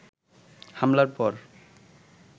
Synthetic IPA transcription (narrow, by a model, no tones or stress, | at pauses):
hamlaɾpɔɾ